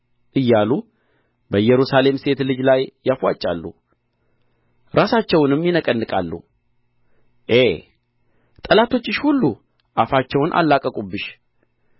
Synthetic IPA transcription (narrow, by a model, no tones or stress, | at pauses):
ʔɨjːalu | bəjːɛɾusale̞mse̞t̪lɨd͡ʒlajːafwa̰t͡ʃʼːa̰lːṵ | ɾasat͡ʃːɛwnɨmjɪnəkʼənːɨkʼa̰lːṵ | ʔe | t̪ʼəlat̪ʰo̞t͡ʃːɪʃhulːu | ʔafat͡ʃːɛwnʔa̰lːakʼəkʼubːɨʃ